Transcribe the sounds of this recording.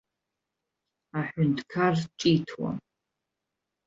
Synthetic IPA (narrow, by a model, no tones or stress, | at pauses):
aħʷʊntʰʼkʰart͡ʃʼitʰwa̰m